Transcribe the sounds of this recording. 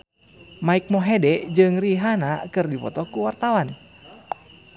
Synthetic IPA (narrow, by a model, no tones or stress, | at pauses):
maik̚mɔɦɛdɛd͡ʒɨŋriɦanakɨrdipɔ̰t̪ɔkuwart̪awan